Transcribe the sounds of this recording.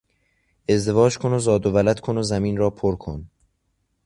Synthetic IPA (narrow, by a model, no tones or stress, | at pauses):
e̞zd̪e̞vɒːd͡ʒkʰonozɒːd̪ovælæd̪̥kʰonozæmiːnɾɒːpʰoɾkʰo̰n